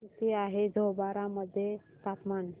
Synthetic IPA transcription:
ut̪iaɦed͡zʱobaɾaməd̪ʱːje | t̪apman

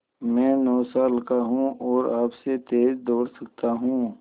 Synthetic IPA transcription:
mɛ̃ːnɔːsaːlkaɦũɔːɾaːpset̪eːzd̪oːɽsɐk̚t̪aɦũː

